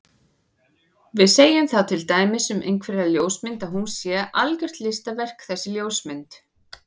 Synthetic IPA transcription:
vɪðseːjɪmθawt̪ʰɪlt̪aːjmɪsɛmʔḛjŋkʰvɛɾɪɾaljoːwsmɪnt̪aðɦunsjɛʔalkʏr̥t̪lɪst̪avɛr̥kθɛsːɪljoːwsmɪnt̪

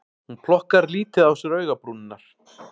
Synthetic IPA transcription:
hunpʰlɔhkaɾliːt̪ɪðawsɛɾœːɥɣapɾuːnɪnːaɾ̥

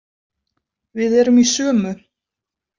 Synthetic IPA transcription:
vɪðɛːɾʏmisœːmʏ

